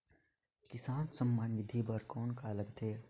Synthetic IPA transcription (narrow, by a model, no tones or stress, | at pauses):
kɪsaːnsəmːanʋɪd̪ʱibəɾkɔːnkaləɡt̪ʰeː